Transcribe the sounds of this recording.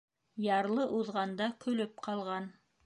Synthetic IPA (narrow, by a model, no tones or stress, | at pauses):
jɑɾlˠɤʔuðʁɑnd̪ɑkɵ̆lɵp̚qʰɑlˠʁɑn